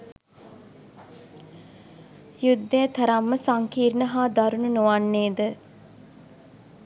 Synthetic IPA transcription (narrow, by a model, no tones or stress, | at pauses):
jud̪ːeːt̪ʰɐɾɐmːəsaŋkiːɾnəɦaːd̪ɐɾununuʋanːeːd̪ə